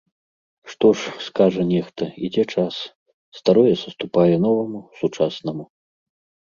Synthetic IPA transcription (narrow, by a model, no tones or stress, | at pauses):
ʂt̪ɔʂskaʐɐnʲɛxt̪ɐid͡zʲɛt͡ʂas | st̪aɾɔjɛsɐst̪upajɛnɔvɐmusut͡ʂasnɐmu